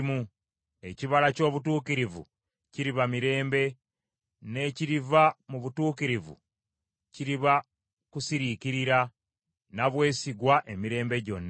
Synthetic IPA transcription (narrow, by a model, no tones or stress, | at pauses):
mu | e̞ciβalaco̞ːβutuːkiɾivṵ | ciɾiβamiɾe̞ːmbe̞ | ne̞ːciɾivamuβutuːkiɾivṵ | ciɾiβa | kusiɾikiɾiɾa | naβwe̞ːsiɡwaʔe̞miɾe̞ːmbe̞ɟo̞nːa